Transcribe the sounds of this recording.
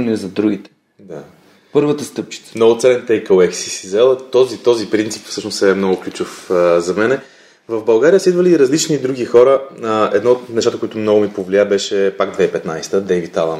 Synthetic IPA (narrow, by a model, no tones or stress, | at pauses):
nɛɛzɐd̪ɾuɡʲit̪ɛ̥ | d̪a | pɤɾvət̪əst̪ɤp̚t͡ʃi̥t̪sə̥mnɔɡʊt̪sɛlɛnt̪ɛjkəwɛksi̥sizɛlˠt̪ɔzit̪ɔzipɾint̪si̥pfsɤʃnost̪ɛmnɔɡʊklʲut͡ʃʊfzɐmɛnɛ | vɐvbɐlˠɡaɾijəsid̪vəliːɾɐzlit͡ʃnid̪ɾuɡixɔɾəəɛ̰d̪nɔt̪nɛʃt̪at̪əkoit̪ʊmnɔɡʊmipovliabɛʃɛpaɡd̪vɛipɛt̪najst̪əd̪ɛjvit̪alˠən